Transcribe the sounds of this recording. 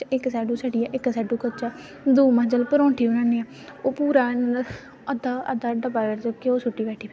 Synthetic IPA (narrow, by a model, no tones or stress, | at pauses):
ɪkːsɛːɖuːsəɖiːaːʔɪksɛːɖuːkət͡ʃaː | d̪uːmãːd͡ʒəlpəɾɔ̃ːɳʈʰiːʊnãːneːaː | oːpuːɾaːn | əd̪aːʔəd̪aːɖəbaːəɾd͡ʒokeoːsʊʈːiːbɛːʈʰiːpː